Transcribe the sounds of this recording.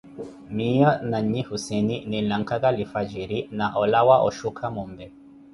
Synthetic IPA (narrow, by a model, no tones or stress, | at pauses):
mijɔnaɲihusɛninilaŋkaɣalifad͡ʒiɾinaʔɔlawaʔɔ̰ʃukʰamumbɛ